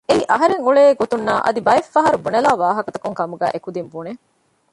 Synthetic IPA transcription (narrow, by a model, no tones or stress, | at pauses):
eiʔɐɦɐɾeŋuɭeːɡot̪unːaːʔɐ̰d̪ibɐefːɐɦɐɾubunɐlaːʋaːɦɐkɐt̪ɐkuŋkɐmuɡæ̰ːʔekud̪imbune